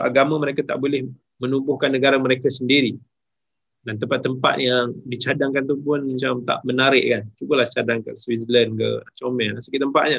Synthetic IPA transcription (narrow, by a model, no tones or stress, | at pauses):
aɡamãməɾekat̪a̰ʔbolɛh | mənumbʊhkanːəɡaɾaməɾekasəndiɾi | dant̪əmpat̪ːəmpa̰t̪̚jaŋdit͡ʃadaŋkant̪upʊnmat͡ʃamt̪a̰ʔmənaɾɪʔkant͡ʃukəlaht͡ʃadaŋkə̰swisələnkə̰t͡ʃomɛasəkiʔt̪əmpat̪̚ɲa